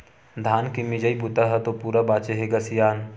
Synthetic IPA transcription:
d̪ʱaːnkimɪd͡ʒəibʊt̪aɦɐt̪opuːɾabaːt͡ʃeɦeɡasɪjaːn

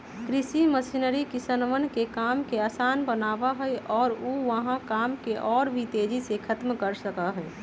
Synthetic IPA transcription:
kɾɪsiməsɪnəɾikɪsənʋənkekaːmkeaːsaːnbənaːʋaɦɛɛʔɔːɾoʋəɦãkaːmkeʔɔːɾbʱit̪eːd͡ʒisekʰət̪mkəɾsəkaɦɛː

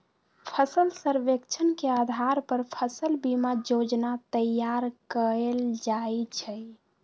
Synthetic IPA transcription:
pʰəsəlsəɾʋekt͡ʃʰənkead̪ʱaɾpəɾpʰəsəlbimad͡ʒod͡ʒnat̪əjːaɾkəeld͡ʒajt͡ʃʰə

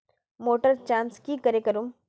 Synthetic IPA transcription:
moːʈəɾt͡ʃãːnskikɐɾekɐɾum

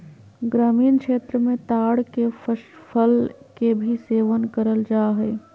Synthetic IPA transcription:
ɡɾaːmiːnkʃeːt̪ɾəmẽt̪aɽkeəpʰəlkebʱiseʋənkəɾəld͡ʒaɦə

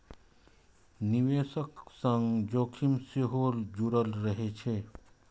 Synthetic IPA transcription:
niʋeːsəksəŋɡd͡ʒokʰimseɦold͡ʒuɾəlɾəɦet͡ʃʰe

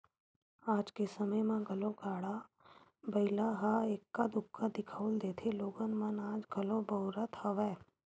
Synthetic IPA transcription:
aːd͡ʒkesəməjmãɡʱɐlõkaːɽa | bɐɪlaɦaeːkːad̪ʊkːad̪ɪkʰəːld̪eːt̪ʰeloːɡənmənaːd͡ʒɡʱɐlõbəːɾət̪hɐʋɛː

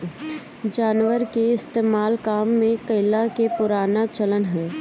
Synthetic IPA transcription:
d͡ʒaːnʋəɾkeɪst̪eːmaːlkaːmːẽkɐɪlakepʊɾaːnat͡ʃɐlənɦɛː

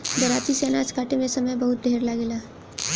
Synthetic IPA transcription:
d̪ɐɾaːt̪iseːnaːt͡ʃkaːʈemẽsɐməjbɐɦʊt̪̚d̪ʱeːɾlaɡelaː

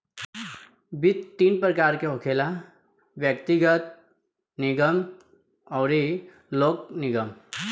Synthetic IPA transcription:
bɪt̪t̪ːiːnpɾəkaːɾkeɦokʰeːla | ʋjək̚t̪iɡət̪̚ | nɪɡəm | ɔːɾi | loːk̚nɪɡəm

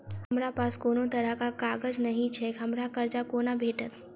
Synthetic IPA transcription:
hɐmɾapaːskoːnot̪ɐɾəɦkakaːɡəd͡ʒnɐɦĩt͡ʃʰɛɦɐmɾakɐɾd͡ʒakoːnabʱeːʈət̪

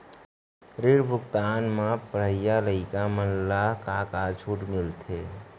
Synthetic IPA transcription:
ɾiɽbʱʊkt̪aːnmãpəɽ̤əjaləɪkamənlakakat͡ʃʰuʈmɪlt̪ʰe

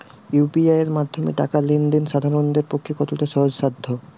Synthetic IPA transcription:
jupiaeɾmad̪ʱːomḛʈa̰kalind̪inʃad̪ʱaɾond̪eɾpokʰːekɔt̪oʈaʃɔɦod͡ʑʃad̪ʱːo

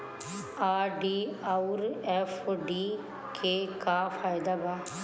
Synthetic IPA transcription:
aːɖiːauɾɛfɖiː | kʰeːkaːfaːɪd̪aːbaː

